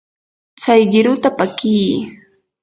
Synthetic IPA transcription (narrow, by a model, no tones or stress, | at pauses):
t͡sajɢɪɾʊt̪apakiː